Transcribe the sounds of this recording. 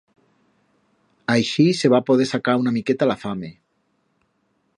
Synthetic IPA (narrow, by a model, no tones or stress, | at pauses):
ajʃiseβ̞apoðesakaunamiket̪alafame